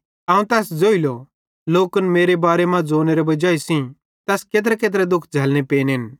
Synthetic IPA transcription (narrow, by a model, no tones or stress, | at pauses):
aːũt̪ɛːsd͡zoːilɔ | loːkənmeːɾebaːɾemãd͡zoːneɾɛbɐd͡ʒaːisĩ | t̪ɛːskeːt̪̬ɾɛkeːt̪̬ɾɛd̪ʊkʰd͡zʱɛːlnepeːnɦɪn